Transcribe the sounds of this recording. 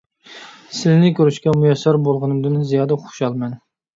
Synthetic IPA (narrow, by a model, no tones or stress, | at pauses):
sɪlnɪkʲøɾyʃkʲɛmujɛsːɑɾbolˠʁɨnɨmd̪ɨnzijɑːd̪ɛχo̥ʃɑlˠmɛn